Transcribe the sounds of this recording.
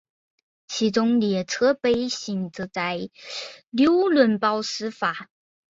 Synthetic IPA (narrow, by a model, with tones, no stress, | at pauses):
t͡ɕʰi˧˥ʈ͡ʂʊ˥ŋljɛ˨˩t͡sʰɤ˥pe˥ɪɕi˨˩ŋt͡s̩˧t͡sa˥ɪljo˥ʊlwə˧˩npɑ˥ʊsɹ̩˥fa˨˩˦